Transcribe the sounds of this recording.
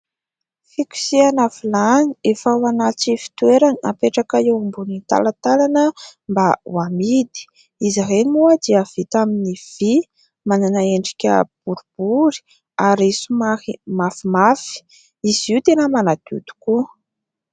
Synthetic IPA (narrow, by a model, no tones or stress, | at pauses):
fikʲu̥sianafilaniefawanat͡sifi̥t̪ueɾania̰peʈ͡ʂakaewumbunit̪a̰lat̪alanəmbawamid̪i̥ | iziɦenimuad̪iəv̥it̪aminiv̥i | mananaeɳɖ͡ʐi̥kʲə̰b̥uɾub̥uɾi̥ | aɾisumaimafimafi̥ | iziwt̪enəmanat̪ṵd̪̥u̥ku